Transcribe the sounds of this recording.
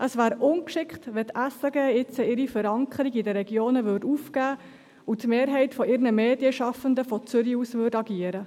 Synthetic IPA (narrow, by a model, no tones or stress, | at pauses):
ʔəsʋæːɾʊnkʃɪkχtʋɛt̪ʰæsəɡɛːɪt͡səɪɾifəɾɑŋkʰəɾiɡidəɾɛɡjoːnəʋʏɾduːfkæː | utmeːɾɦɛɪtfɔʔɪɾnəmeːdiəʃɑfəndəfɔt͡sʏɾiusʋʏːdɑɡiəɾə